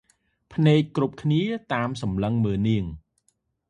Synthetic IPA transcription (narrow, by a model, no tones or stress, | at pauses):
pʰnɛːk̚kːrup̚kʰniət̪aːmsɑmləŋməːniəŋ